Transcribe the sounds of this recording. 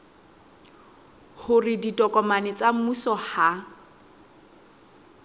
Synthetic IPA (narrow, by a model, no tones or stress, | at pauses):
hʊrɪditʼɔkʼɔmanɪt͡sʼam̩musɔha